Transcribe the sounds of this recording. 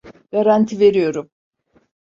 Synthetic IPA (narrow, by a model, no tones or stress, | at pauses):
ɡ̥aɾant̪ʰive̞ɾijo̞ɾum